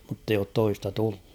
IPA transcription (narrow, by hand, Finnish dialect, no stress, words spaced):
mutː eij oːt toistɑ tull̥u̥